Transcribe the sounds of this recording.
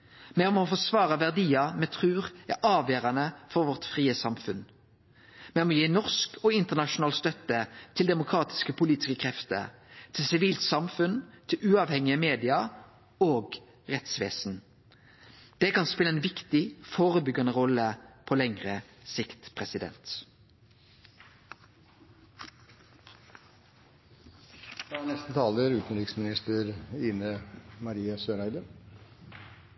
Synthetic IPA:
mɛɔmofɔsʋɑːʁəʋæʁd̪iːɑmɛt̪ʰʁʉːʁæʔɑːʋjøːʁɑnəfɔʁʋɔʁt̪fʁiːəsɑmfʉn | mɛɔmjiːnɔʁskɔɪnt̪əʁnɑʃʊnɑːlst̪œt̪ːət̪ʰɪld̪ɛmʊkʰʁɑːt̪ɪ̥skəpʰʊliːt̪ɪ̥skəkʰʁɛft̪ə̰ʁt̪ʰɪlsɪʋiːlt̪sɑmfʉnt̪ʰɪlʉːɑʋhɛŋɪəmeːd̪ɪɑ | oːɡ | ʁɛt̪sʋḛːsn | d̪̥ɛːkɑnspɪləɛnʋɪkt̪ɪfoːʁəbʏɡɑnəʁɔləpʰɔlɛŋʁəsɪkt̪pʰʁɛsɪd̪ɛ̰nt̪ | d̪nɛst̪nət̪ʰɑːləɾʉːt̪n̩ɾɪksmɪnɪst̪əɾiːnəmɑɾiːəsøːɾæɪd̪ə

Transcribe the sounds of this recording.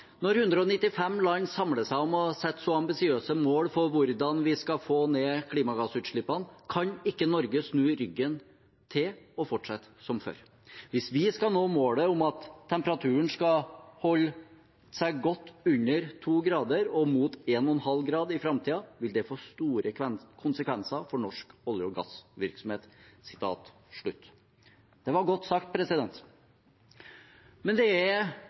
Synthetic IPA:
nɔɾhʉnd̪ɾəɔnɪt̪ːɪfɛmlɑɲːsɑmɽəsæɪɔmɔsɛt̪ːsɔɑmbɪsɪøːsəmoːɽfɔɾʋʊɾd̪ɑnʋɪskɑfoːneːkʰliːmɑɡɑsʉːt̪ʂɭɪpːɑnkʰɑɲɪkːənɔɾɡəsnʉːɾʏɡːən | t̪ʰɪlɔfɔʈʂɑt̪ːsɔmfø̰ːɾ | ʋɪsʋɪskɑnoːmoːɽəʊmɑt̪ʰːɛmpəɾɑt̪ʰʉːəɳskɑhɔlː | sæɪɡɔt̪ːʉɲːəɾt̪ʰuːɡɾɑːd̪əɾɔmuːt̪eːnɔɛnhɑlɡɾɑːd̪ɪfɾɑmt̪ʰiːɑʋɪld̪ɛfoːst̪uːɾəɛnkʰʊnsəkʰʋɛnsɑfɔɳɔʂkɔljʊɡɑ̰sʋɪɾksɔmheːt̪sɪ̥t̪ʰɑ̰ːt̪ | ʂɭʉt̪ː | d̪̥ɛʋɑɾɡɔt̪ːsɑkt̪̚pʰɾɛsɪd̪ɛnt̪ | mɛnd̪ɛæɾ

